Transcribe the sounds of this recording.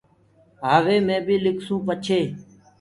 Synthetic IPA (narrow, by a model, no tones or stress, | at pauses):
ɦaːʋeːmẽːbiːlɪkʰsũːpət͡ʃʰeː